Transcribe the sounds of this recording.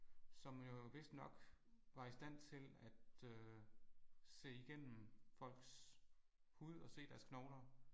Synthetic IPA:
sɒ̽mjo̝ʋe̝sd̥nɒ̽ɡ̥ʋɑ̈isd̥æn̰t͡sʰe̝læd̥ø | se̝̰ːiɡ̥en̰m̩fɒ̽l̰ɡ̥s | huð̞̰ˠɒ̽se̝̰ːd̥æɐskʰnɒʊnɐ

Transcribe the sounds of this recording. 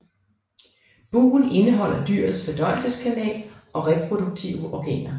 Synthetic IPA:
b̥ṵːn̩e̝nəɦɒ̽l̰ɐd̥yɐ̰ð̩ˠsfɒd̥ɒɪ̰l̩səskʰænɛ̰ːlʔɒ̽ʁɛpʰʁo̝d̥uɡ̥̚t͡sʰiʊəʔɒɡ̥ɛ̰ːnɐ

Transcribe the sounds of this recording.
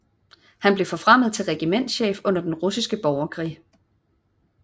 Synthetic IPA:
hænb̥le̝fɒ̽fʁam̰ð̩ˠt͡sʰe̝lʁɛɡ̥imen̰d̥ɕḛːfɔ̽n̰ɐd̥enʁusisɡ̥əb̥ɒʊɐkʰʁḭː

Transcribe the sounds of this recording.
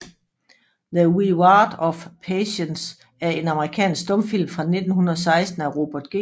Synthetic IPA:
ðəwiwɑːd̥ɒ̽fpʰeɕəns | æɐe̝nɑ̈məʁikʰɛ̰ːnsɡ̥̚d̥ɔ̽mfil̰mfʁɑ̈ne̝d̥n̩hunɐðˠsɑ̈ɪsd̥n̩æʁo̝b̥æd̥̚ɡ̥e̝

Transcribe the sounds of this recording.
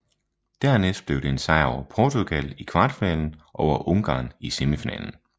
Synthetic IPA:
d̥æɐ̰nesd̥̚b̥le̝ʊd̥e̝ensɑ̈ɪɒʊɐpʰɒːt͡sʰuɡ̥ælikʰʋɑ̈ːd̥finɛ̰ːln̩ʔɒʊ̰ɐʔɔ̽ŋɡ̥ɑ̰̈ːnisemifinɛ̰ːln̩

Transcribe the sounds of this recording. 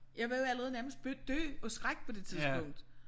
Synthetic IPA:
jɑ̈ɪʋejo̝æləʁɛːð̞̩ˠnæɐməsd̥̚b̥ød̥ø̰ːɒ̽sɡ̥ʁaɡ̥pʰɒ̽d̥e̝t͡sʰiðˠsbʰɔ̽ŋ̰d̥

